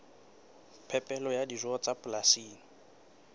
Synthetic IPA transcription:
pʰɛpʼɛlɔjadizɔt͡sʼapʼʊlasiːni

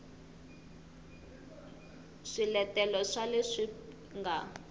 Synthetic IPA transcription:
ʂilɛtɛlɔʂaleʂi | ŋɡa

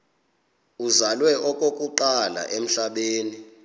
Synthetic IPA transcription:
uzalwɛʔɔkʼokʼuǃala̰ʔem̩ɬaɓeːni

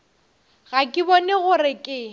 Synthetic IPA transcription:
ɣakʼɪbɔnɛɣʊrɪkʼɪ

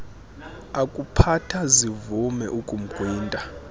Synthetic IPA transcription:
akʼupʰatʰazivumɛ̰ʔukʼum̩ɡ̥ʱwiːntʼa

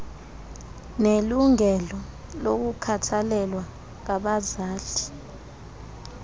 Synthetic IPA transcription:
neluŋɛlɔ | lok̬ukʰatʰalɛlwa | k̬aɓazaːɬi̥

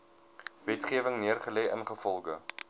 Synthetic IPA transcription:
vɛtχiəvəŋniərχəlɛjʔə̰nχəfɔlˠɡə

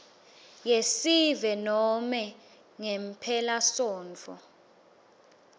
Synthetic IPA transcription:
jesivɛnɔmɛ | ŋɛmpʰɛlasɔːnt͡fʰɔ̰

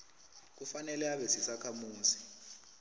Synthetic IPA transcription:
k̬ufanɛlɛaɓɛsisakʰamuːzi̥

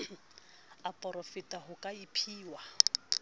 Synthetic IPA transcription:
apʼɔrɔfitʼaɦʊkʼaipʰiːwa

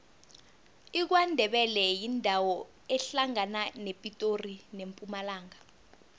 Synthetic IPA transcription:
ik̬wandʱɛɓɛlɛjindʱawɔ | ɛɬaŋananepʼitʼorinempʼumalaːŋa

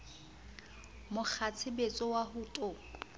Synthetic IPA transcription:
mʊk͡xʰat͡sʰɪbet͡sʼɔwaɦuːtʼʊ

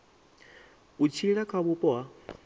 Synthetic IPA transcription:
ut͡ʃʰiɺakʰaβupɔwa

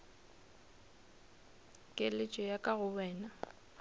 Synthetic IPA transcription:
kʼelɪt͡ʃʼɔjakʼaɣʊwɛːna

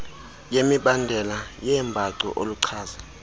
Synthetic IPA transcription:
jemiɓandʱɛlajɛmbʱaǀɔ̰ʔoluǀʰaːza

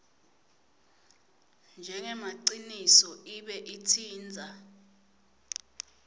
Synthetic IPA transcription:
nd͡ʒʱɛŋɛmaǀinisɔiɓɛʔitʰiːnd͡zʱa

